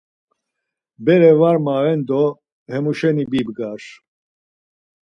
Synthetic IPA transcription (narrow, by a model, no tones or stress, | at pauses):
bɛɾɛvaɾmavɛnd̪ɔ | hɛmuʃɛnibibɡaɾ